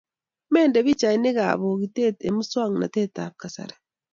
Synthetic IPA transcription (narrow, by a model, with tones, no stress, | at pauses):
meː˦nde˨βi˦t͡ʃa˨ine˦ɣa̰˨βoɣi˨te˦te˨mu˦swa˦˨ŋna̰˨te˦ta˨ka˨sa̰ɾa